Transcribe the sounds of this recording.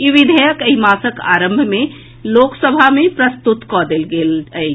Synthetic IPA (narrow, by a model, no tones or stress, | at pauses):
iʋid̪ʱəjəkəɦimasəka̰ɾə̃mbʱme | loksəbʱamepɾəst̪ut̪kɔd̪elɡelə